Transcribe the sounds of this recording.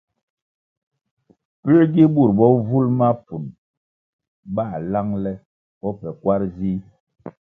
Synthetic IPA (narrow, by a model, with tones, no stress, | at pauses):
pi˦ɾɡi˦bu˦˨ɾbɔ˦vu˦lma˦pu˨n | ɓa˦˨la˦ŋlɛ˦ | ɓɔ˦pɛ˨kwa˦ɾzi˦